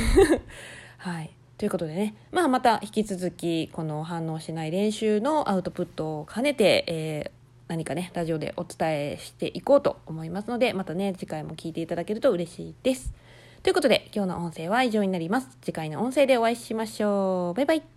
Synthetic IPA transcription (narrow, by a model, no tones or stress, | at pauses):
hai | t̪o̞jɯ̟ko̞t̪o̞d̪e̞ne̞ | maːmat̪açi̥kʲit͡sɨzɨkʲiko̞no̞ɦãnːo̞ːɕinaiɾẽ̞ɰ̃ɕɨːno̞ʔaɯ̟t̪o̞pɯ̟t̪ːo̞ːkʰane̞t̪e̞eː | naɲ̟ikane̞ɾaʑio̞d̪ḛʔo̞t͡sɨ̥t̪ae̞ɕi̥t̪e̞̰ʔiko̞ːt̪o̞̰omo̞imasɨno̞d̪e̞mat̪ane̞d͡ʑikaimo̞kʲiːt̪e̞it̪ad̪ake̞ɾɯ̟t̪oɯ̟ɾe̞ɕḭːd̪̥e̞sɨ̥ | t̪o̞iɯ̟ko̞t̪o̞d̪e̞̰kʲo̞ːno̞ʔõ̞se̞ːβaiʑo̞ːɲ̟inaɾʲimasɨ̥d͡ʑikaino̞õɰ̃se̞ːd̪e̞o̞βaiɕimaɕo̞ːbaibai